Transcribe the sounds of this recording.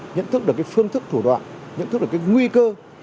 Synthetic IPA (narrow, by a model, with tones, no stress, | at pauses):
ɲə̰˧˨nt̪ʰk̚ɗɨ˨˩əkaː˨˦jfɨ˧əŋt̪ɨ˦˥k̚t̪ʰu˧˩ɗwa̰ː˧˨nɲə̰˧˨nt̪ɨ˦˥k̚ɗkːŋwi˧kəː˧